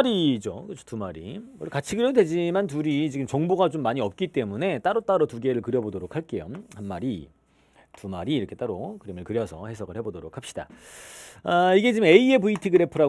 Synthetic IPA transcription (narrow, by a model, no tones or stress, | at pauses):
ɾid͡ʑokɯt͡ɕʰʌ̥tumaɾḭmʌkat͡ɕʰiɡɯɾjʌdoded͡ʑimant̬uɾit͡ɕiɡɯmt͡ɕʌŋboɡat͡ɕomːaɲiʌp̚k͈it͈e̞mune̞t͈aɾot͈aɾotuɡe̞ɾɯɭkɯɾjʌbodoɾokʰaɭk͈e̞johanmaɾi | tumaɾiːɾʌkʰe̞t͈aɾokɯɾemɯɭkɯɾjʌsʰʌhe̞sʰʌɡɯɭhe̞bodoɾokʰap̚ɕ͈id̥a̰ | aiɡe̞t͡ɕiɡɯme̞ie̞buitʰiɡɯɾe̞pʰɯɾa